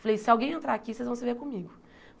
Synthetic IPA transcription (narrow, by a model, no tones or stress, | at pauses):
falejsɪawɡẽj̃ẽnt̪ɾaakisejzvɐ̃w̃sɪveɾkõmiɡʊ